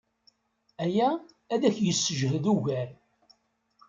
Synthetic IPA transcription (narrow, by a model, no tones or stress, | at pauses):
æjæː | ðæçjəsːəʒɦəðuʝæl